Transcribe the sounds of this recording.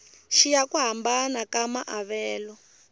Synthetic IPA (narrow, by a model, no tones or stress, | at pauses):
ʃijakuɦambanakamaʔaβɛːlɔ